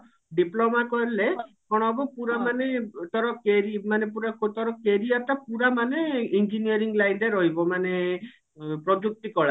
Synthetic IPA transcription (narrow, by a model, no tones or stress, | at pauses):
ɖiplomakɔɾile | kɔɽ̃ɔbɔpuɾamanet̪ɔɾɔkeɾimanepuɾakt̪ɔɾɔkeɾiat̪apuɾamaneind͡ʒiniɔɾiŋɡlajɳɖeɾɔɦibɔmane | pɾɔd͡ʒuk̚t̪ikɔɭa